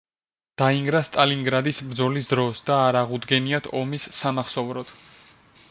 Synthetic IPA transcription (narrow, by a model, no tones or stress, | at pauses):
d̪̥aiŋɡɾast̪ʼaliŋɡɾad̪isbɾd̪zɔlisd̪ɾɔsd̪̥aːɾaʁud̪ɡɛniat̪ʰɔmisːamaχsɔvɾɔd̪̥